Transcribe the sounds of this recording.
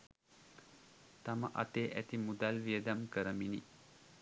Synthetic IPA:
t̪aməʔa̰t̪eːʔæt̪imud̪alʋiəd̪amkəɾəmini

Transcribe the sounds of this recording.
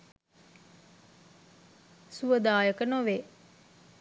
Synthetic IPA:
suʋəd̪aːjəkənoʋe

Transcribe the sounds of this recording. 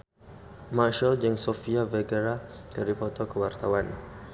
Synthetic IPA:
maʃald͡ʒəŋsofiavɛɡəɾakəɾifɔt̪ɔkəwart̪awan

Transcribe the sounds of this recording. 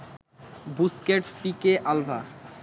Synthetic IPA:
buskeʈspikeʔalbʱa

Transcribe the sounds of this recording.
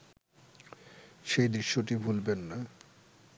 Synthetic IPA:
ʃejd̪ɾiʃːoʈibʱulbenːa

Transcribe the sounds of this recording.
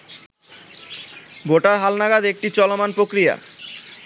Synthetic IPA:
boʈaɾɦalnaɡad̪ek̚ʈit͡ɕɔlomanpɾokɾija̰

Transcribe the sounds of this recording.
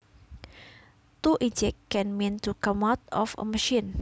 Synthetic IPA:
t̪uʔid͡ʒɪkːɛ̃nmĩnt̪ukamat̪̚ɔfə̰məʃĩn

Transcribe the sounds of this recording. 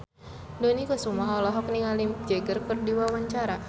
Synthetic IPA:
donikɔsumaɦɔlɔɦɔk̚niŋalid͡ʒɛɡərkərdiwawaɲt͡ʃaɾa

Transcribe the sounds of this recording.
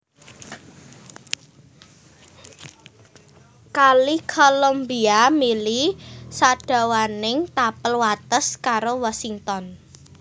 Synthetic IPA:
kalikʰolombiamilisaɖ̥a̤wanɪŋt̪apəlwat̪əskaɾowasiŋt̪ɔn

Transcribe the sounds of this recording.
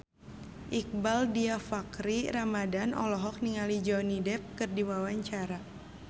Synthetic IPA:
ʔik̚baldiafakɾiɾamadanɔ̰lɔɦɔk̚niŋalid͡ʒɔwnidɛp̚kɨrdiwawaɲt͡ʃaɾa

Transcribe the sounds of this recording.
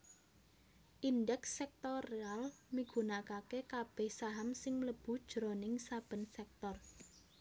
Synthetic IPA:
ʔindɛksːɛk̚t̪oɾealmiɡ̥ṳnakakekab̥ɛ̤hsaɦamsɪŋləb̥ṳd̥ʒ̥ɾonɪŋsab̥ə̤nsɛk̚t̪ɔr

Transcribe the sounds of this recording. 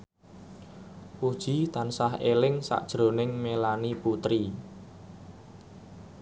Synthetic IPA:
pud̥ʒ̥i̤t̪ansaɦelɪŋsa̰ʔd̥ʒ̥ɾo̤nɪŋmelaniput̪ɾi

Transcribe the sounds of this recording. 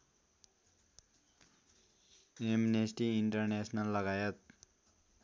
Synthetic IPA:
eminesʈiiɳʈʌrnesnʌlːʌɡajʌt̪̚

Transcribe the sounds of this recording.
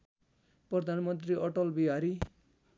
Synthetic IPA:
prʌd̪ʱanmʌnt̪riʔʌʈʌlbiɦaɾi

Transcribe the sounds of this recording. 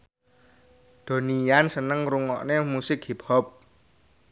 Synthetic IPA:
d̪̥o̤nijansənəŋruŋɔʔnemusɪkhip̚hɔp̚

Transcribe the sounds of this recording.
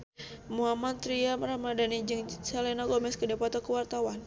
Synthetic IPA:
muɦamat̪t̪ɾiamramadanid͡ʒɨŋsalɛnaɡɔmɛskədapat̪ɔkəwart̪awan

